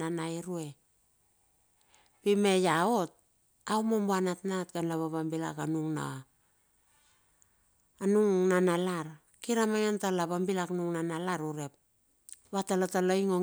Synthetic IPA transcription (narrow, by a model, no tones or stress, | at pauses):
anaiɾue̞ | pime̞jaot̚ | awmombanatnatɡanlaβaβambila̰kanuŋna̰ | nuŋnanalaɾ | kiɾamaŋentalaβambilaknuŋnanalaɾuɾe̞p̚ | βatalataloiŋo